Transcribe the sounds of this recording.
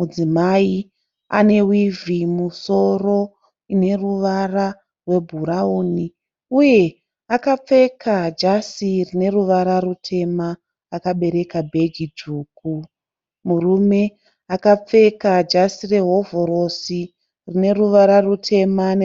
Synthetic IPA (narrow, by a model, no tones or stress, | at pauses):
mud͡zimai | a̰ne̞wivimuso̞ro̞ | ine̞ruʋara | rwe̞bʱuɾauni | uje̞ | akap͡fe̞kʰad͡ʒasirine̞ruʋaɾarutʰe̞ma | akaɓe̞ɾe̞kabʱe̞ɡʱid͡ʒuːku | murume̞ | akap͡fe̞kad͡ʒasire̞ɦo̞voɾosi | rine̞ruʋaɾarutʰe̞man